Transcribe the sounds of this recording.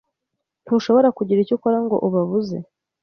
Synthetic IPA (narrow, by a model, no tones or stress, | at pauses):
n̥huʃo̞βo̞ɾakuɟiɾicukoɾaŋɡo̞̰ʔuβaβuze̞̰